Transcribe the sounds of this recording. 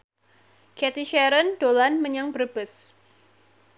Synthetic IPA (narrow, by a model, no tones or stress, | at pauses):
kɛt̪iʃɛɾəndolanməɲaŋbərb̥əs